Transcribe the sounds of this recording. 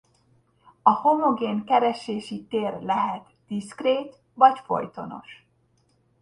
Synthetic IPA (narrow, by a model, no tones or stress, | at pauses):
ɒho̞mo̞ɡeːnkɛɾɛʃeːʃit̪eːrlɛɦɛt̪d̪̥iskreːt̪ | vɒcfo̞̰jt̪o̞no̞̰ʃ